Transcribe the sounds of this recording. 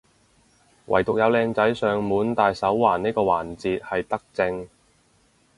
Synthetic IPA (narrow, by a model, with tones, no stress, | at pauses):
wʔɐ̰˨˩jt̪ʊ˨k̚jɐ˨˧wlɛː˧ŋt͡sɐ˨˥jsœː˨ŋmuː˨˥nt̪aː˨jsɐ˨˥wwaː˨˩niː˥kɔː˧wa̰ː˨˩nt͡siː˨˧t̚hɐ˨jt̪ɐ˥k̚t͡sɪ˧ŋ